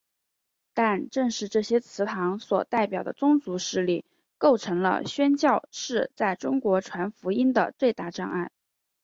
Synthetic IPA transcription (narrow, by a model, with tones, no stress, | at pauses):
t̪a˥˧nʈ͡ʂɤ˥˧ŋʂɻ̩˥˧ʈ͡ʂɤ˥˩ɕjɛ˥t͡sʰɹ̩˧˥t̪ʰɑ˧˥ŋswɔ̰˨˩t̪a˥˩ɪpjɑ˨˩ʊd̪ə̰˦t͡sʊ˥ŋt͡su˧˥ʂɻ̩˥˧li˥˩ | ko˥˩ʊʈ͡ʂʰɤ˧˥ŋlə̰˧ɕɥɛ˥nt͡ɕjɑ˥˧ʊʂɻ̩˥˧t͡sa˥˩ɪʈ͡ʂʊ˥ŋkwɔ˧˥ʈ͡ʂʰwa˧˥nfu˧˥i˥nd̪ə̰˨t͡swe˥˧ɪt̪a˥˧ʈ͡ʂɑ˥˧ŋa˥˩n